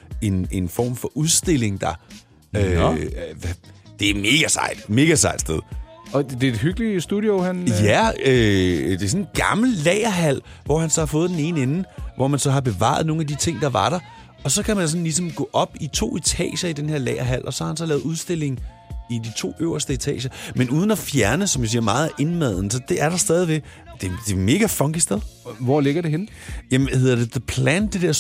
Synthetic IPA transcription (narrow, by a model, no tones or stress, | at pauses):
e̝ne̝nfɒ̰ːmfɒ̽ʔuðˠsd̥e̝l̰e̝ŋd̥ɑ̈ | ø | d̥e̝æɐme̝ːɡ̥æsɑ̰̈ɪ̰d̥me̝ɡ̥æsɑ̈ɪd̥sd̥eð̞ˠɒd̥e̝d̥hyɡ̥lisd̥uðˠjohænjæød̥e̝sɔ̽ne̝dɡ̥ɑ̈ml̩lɛɪɐɦæl̰ʋɒ̰hænsɒhɑ̈fɔ̽ːð̞̩ˠd̥ene̝ːnenn̩ʋʔɒmænsɒ̽ɦɑ̈b̥e̝ʋɑ̰̈ð̩ˠno̝ːŋæd̥it͡sʰe̝ŋ̰d̥ɑ̈ʋɑ̈ɾ̥ɑɐ | ɒ̽sɒ̽kʰæmæns̬ɒ̽n̩lis̬ɒ̽mɡ̥ɔ̰̽ːʔɒ̽b̥it͡sʰo̝̰ːit͡sʰɛ̰ːɕɐid̥enhe̝ɐ̰lɛ̰ɪɐɦæl̰ʔɒ̽sɒ̽hɑhænsɒ̽lɛːʊuð̞ˠsd̥e̝l̰e̝ŋ̩ | id̥it͡sʰo̝̰ːøʊɐsd̥əet͡sʰɛ̰ːɕɐmenuːð̞ˠn̩ɒfjæɐnəsɒ̽mjas̬iɐmɑ̈ːð̩ˠe̝nmæð̰ˠn̩sɒ̽d̥e̝ʔæɐɾ̥ɑ̈sd̥ɛːðˠiʋeɡ̥d̥e̝d̥e̝me̝ːɡ̥æfɒŋɡ̥isd̥eðˠʋɒle̝ɡ̥ɐɾe̝ɦenjæmhe̝ð̰ˠɐd̥e̝ðəpʰlænd̥e̝d̥eɐ̰